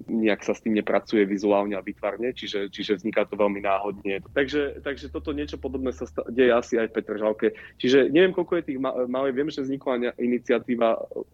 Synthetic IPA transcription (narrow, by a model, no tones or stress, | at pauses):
ɲɛaksast̪iːmɲɛpɾat͡sujɛʋizuaːlɲɛaʋit̪ʋaɾɲɛt͡ʃiʒɛt͡ʃiʒɛvzɲikat̪ɔʋɛlminaːɦɔd̪ɲɛt̪aɡʒɛt̪aɡʒɛt̪ɔt̪ɔɲɪɛt͡ʃɔpɔd̪ɔbnɛsast̪aɟɛjɛasiajfpɛt̪r̩ʒalkɛt͡ʃiʒɛɲɛʋɪjɛmkɔlkɔjɛt̪iːɣamaliʋɪɛmʒɛvzɲiklaɲɛʔinit͡siat̪iːʋa